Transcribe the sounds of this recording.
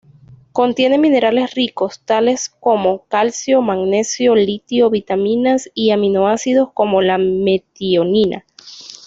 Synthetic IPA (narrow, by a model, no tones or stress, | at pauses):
ko̞nt̪je̞ne̞mine̞ɾale̞sriko̞st̪ale̞sko̞mo̞kalsjo̞maɡne̞sjo̞lit̪jo̞βit̪amĩnasiamino̞asiðo̞sko̞mo̞lame̞t̪ioninʔa̰